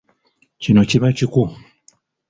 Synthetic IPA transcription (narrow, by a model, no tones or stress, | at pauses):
t͡ʃinɔt͡ʃiβat͡ʃiku